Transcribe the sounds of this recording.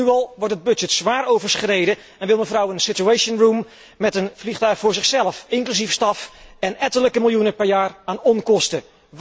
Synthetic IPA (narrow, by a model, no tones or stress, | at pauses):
yɑlˠʋɔɹtəd̚bɵdd͡ʒətsʋaːɾowvəɹsχrejdə | ɛnʋɪlˠməvrɔwənsɪtuejsənrumː | ɛtənvliχtœɥχfʊːɹzɪχsɛləfɪŋklysifstɑfɛnɛtələkəmɪlˠjunəpɛɹjaːraːnɔnkɔstə